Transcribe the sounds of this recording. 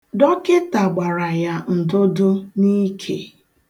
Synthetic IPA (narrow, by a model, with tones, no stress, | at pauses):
dɔ˦kɪ˦ta˨ɡ͡ba˨ɾa˨ja˦n̩˨dʊ˦dʊ˦ni˦kʰḛ˨